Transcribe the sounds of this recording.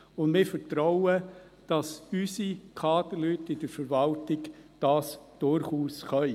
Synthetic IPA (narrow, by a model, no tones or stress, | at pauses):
ʊndmɪːfətɾɔʊə | d̥ɑsysikʰɑːdəlytːɪd̥əɾfəɾvɑltɪɡd̥ɑːsd̥ʊɾχuːsχœʏ